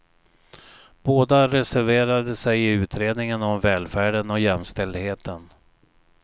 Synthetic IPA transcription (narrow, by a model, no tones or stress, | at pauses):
b̥oːd̪aɾɛsæɾveːɾad̪əsɛjɪʉ̟ːt̪ʰɾeːd̪nɪŋənɔmvɛːlfæːɖənɔjɛmːst̪ɛld̪heːt̪ʰən